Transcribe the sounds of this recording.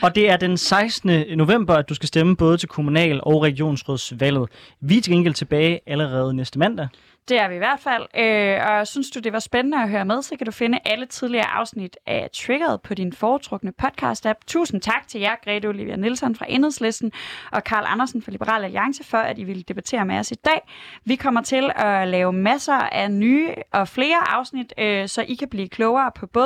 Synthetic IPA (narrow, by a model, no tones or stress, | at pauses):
ɒ̽d̥e̝æɐd̥ensɑ̈ɪsd̥nəno̝ʋem̰b̥ɐæd̥usɡ̥æsd̥eməb̥ɔ̽ːð̞ˠət͡sʰe̝lkʰo̝munɛ̰ːlɒʊʁɛɡ̥io̝̰ːnsʁɔðˠsʋæl̰ð̩ˠ | ʋit͡sʰe̝ɡ̥enɡ̥el̩t͡sʰe̝b̥ɛːɪæləʁɛːð̞ˠnesd̥əmæn̰d̥æ | d̥e̝æɐʋiiʋæɐ̰d̥fæl̰øɒ̽synsd̥ud̥e̝ʋɑ̈sb̥enənəɒɦøːɐmeð̞ˠsɒ̽kʰæd̥ufe̝nəʔælət͡sʰiðˠliɐːʔɑ̈ʊsnid̥ʔæt͡sʰweɡ̥ɐð̞̩ˠpʰɒ̽ɾ̥infɒːut͡sʰʁɔ̽ɡ̥nəpʰɒ̽d̥kʰɑ̈ːsd̥æb̥̚t͡sʰṵːsn̩t͡sʰɑ̈ɡ̥̚t͡sʰe̝ljæɡ̥ʁɛ̰d̥oliʋiænilsɒ̽nfʁɑ̈ʔe̝nheðˠslesd̥n̩ʔɒ̽kʰɑ̰̈ːlʔɑ̰nɐsn̩fɑ̈libəʁɑ̰̈ːlæliɑ̈ŋsəfɒ̽æd̥iʋe̝ləd̥e̝b̥æt͡sʰe̝̰ːɐmeɒsid̥ɛ̰ːʋikʰɒ̽m̰ɐt͡sʰe̝lɒ̽lɛːʊmæsɐænyːʔɒ̽fle̝ːɐʔɑ̈ʊsnid̥øsɒ̽ʔikʰæb̥lḭːkʰlɔʊɐːpʰɒ̽b̥ɔ̽